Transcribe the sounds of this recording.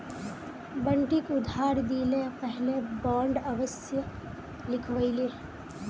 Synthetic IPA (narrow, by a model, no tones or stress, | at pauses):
bəɳʈikʊd̪ʱaːɾd̪iːlepɛɦlebãːɳɖɐʋəsjə | lɪkʰʋəile